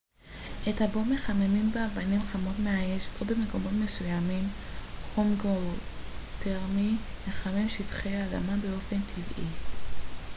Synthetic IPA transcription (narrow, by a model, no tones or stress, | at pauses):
ʔethabome̞χamemimbeabanimχamo̞tmeaeʃo̞be̞me̞ko̞mo̞tme̞sujamim | χomɡo | teʁmime̞χame̞mʃitχejaːda̰mabe̞o̞fe̞ntʰivḭ